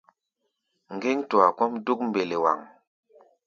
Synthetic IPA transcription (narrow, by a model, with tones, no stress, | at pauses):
ŋ˨ɡe˦ŋtu˨a˨kɔ˦mdu˦k̚m̩be˨le˨wa̰˨ŋ